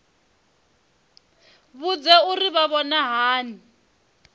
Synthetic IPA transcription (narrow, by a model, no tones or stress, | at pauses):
βud͡zɛuriβaβɔnaɦaːni